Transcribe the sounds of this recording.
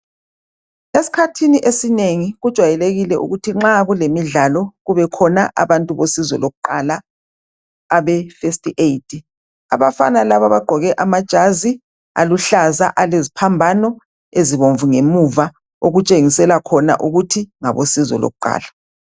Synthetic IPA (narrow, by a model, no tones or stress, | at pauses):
esi̥kʰatʰiniʔesineŋiɣud̥ʒ̥ʱwajɛleɣilɛʔṵɣutʰiŋ͡ǁaɣulemiɮalɔɣuβɛkʰɔnaʔa̰βantʼuβosizɔ̰loɣuǃala | βɛfestʰʼiʔeitʰi | a̰βafa̰nalaβaβaɡ͡ǃʱɔɣɛʔamad̥ʒ̥ʱazi | a̰luɬaza̰ʔalezipʰambʱanɔ | eziβoɱvuŋemuva | oɣut͡ʃʼeŋisɛlakʰɔna̰ʔuɣutʰiŋa̰βosizɔ̰lo̰ɣuǃa̰ːla